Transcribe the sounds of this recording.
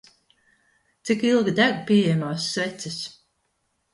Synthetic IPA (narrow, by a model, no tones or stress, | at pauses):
t̪sikilˠɡid̪æɡpiɛjɛmaːsːvɛt̪sis